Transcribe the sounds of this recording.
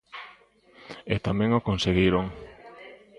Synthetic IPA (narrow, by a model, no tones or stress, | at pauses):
et̪amɛ̃ŋokonseɣiɾoŋ